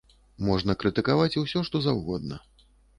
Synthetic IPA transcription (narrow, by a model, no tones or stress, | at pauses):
mɔʐnɐkɾɨt̪ɨkavat͡sʲuwsʲɔʂt̪ɔzawɣɔd̪̚nɐ̰